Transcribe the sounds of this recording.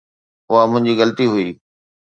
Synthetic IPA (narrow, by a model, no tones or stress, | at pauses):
ʊɦamʊ̃ɦɪ̃ɲd͡ʑiɣɐlət̪iɦʊiː